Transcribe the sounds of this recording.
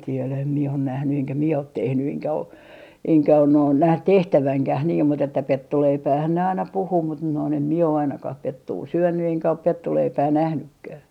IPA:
tielæ em mie on næhny eŋkæ mie ot tehny eŋkæ o eŋkæ on noin næh tehtæʋæŋkæh niːm mut etːæ petːuleipæːhæn ne ɑinɑ puhuː mut noin em mie o ɑinɑkɑh petːuː syønːy eŋkæ op petːuleipæː næhnykːæː

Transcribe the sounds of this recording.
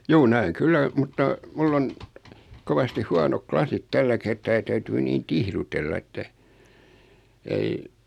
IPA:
juː næeŋ kylːæ mutːɑ mulː on koʋɑstih huɑnok klɑsit tælːæ kertɑː jɑ tæytyː niːn tihrutelːɑ etːæ ei

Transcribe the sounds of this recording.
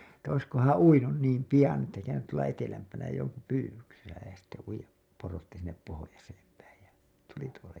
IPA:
etːæ oiskohɑ̃ː uinun niːm pijɑn etːæ kæynyt tuolɑ etelæmpænæ joŋku pyːwyksesæ jɑ sitːe uijˑɑp porotːi sinːep pohojɑseːm pæij jɑ tuli tuolɑ

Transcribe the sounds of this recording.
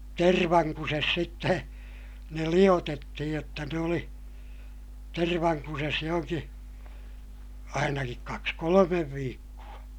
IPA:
terʋɑŋkuses sitːe ne lij̆otetːihij jotːɑ ne oli terʋɑŋkuses johoŋki ɑinɑkik kɑks kolomeʋ ʋiːkːuɑ

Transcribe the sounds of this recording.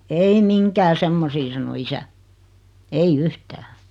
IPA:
ei miŋkæː semːosiː sɑno isæ ei yhtæː

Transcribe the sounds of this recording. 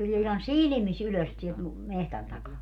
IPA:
tulʲie ihɑn silĭmis yløs sielt mu mehtæn tɑkɑː

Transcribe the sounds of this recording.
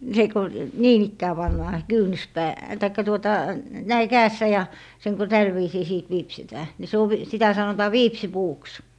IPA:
se ku niːn ikːæː pɑnːɑː kyːny̆spæː tɑikːɑ tuotɑ næi kæːsːæ jɑ seŋ ku tæl ʋiːsiː siˑt ʋiːpsitæː ni se oʋ sitæ sɑnotɑː ʋiːpsipuːks

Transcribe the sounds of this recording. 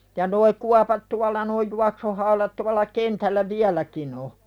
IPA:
jɑ noi kuɑpɑt tuɑlːɑ noi juɑksuhɑulɑt tuɑlˑɑ kentælːæ ʋiælækin o

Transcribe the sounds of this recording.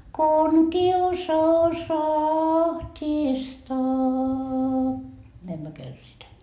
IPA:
kun kiusɑus ɑhtʲistɑː næim myø kærsitæː

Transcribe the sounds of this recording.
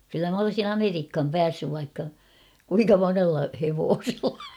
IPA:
kylːæ m olsin ɑmeriːkhɑm pæːsːyʋ ʋɑikːɑ kuiŋkɑ monelːɑ heʋoːselːɑ

